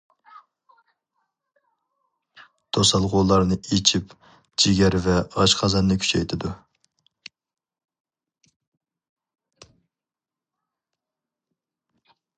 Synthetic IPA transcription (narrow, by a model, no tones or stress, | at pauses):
t̪ʰosɑlˠʁoːlˠɑɾnɨet͡ʃʰip | d͡ʒiɡʲɛɾvɛɑʃqʰɑzɑnːɨkʲʰy̥t͡ʃʰɛjt̪ʰɪd̪u